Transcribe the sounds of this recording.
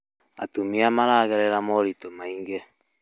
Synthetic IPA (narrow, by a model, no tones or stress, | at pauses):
a̰tumiamaɾaːɣɛɾɛɾamɔɾitomaiŋɡe